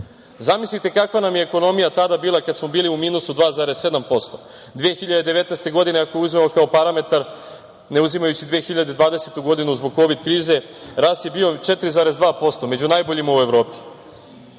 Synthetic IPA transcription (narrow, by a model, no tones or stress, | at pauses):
zamislit̪e̞kakʋanamjeːko̞no̞mijat̪ad̪abiːlˠakad̪smo̞biːliumiːnusud̪ʋaːzaːɾe̞sse̞d̪ampo̞st̪o̞ | d̪ʋeexiʎad̪ed̪eʋe̞t̪nɛst̪e̞ɡo̞d̪ine̞ako̞jeuzme̞mo̞kaopaɾame̞t̪aɾ | ne̞uzimajut͡ɕid̪ʋeːxiʎad̪ed̪ʋaːd̪e̞set̪uɡo̞d̪inuzboɡ̚ko̞ʋid̪kɾiːze̞ | ɾaːst̪jebio̞t͡ʃe̞t̪ɾizaːɾe̞zd̪ʋaːpo̞st̪o̞me̞d͡ʑunajboʎimaue̞ʋɾo̞ːpi̥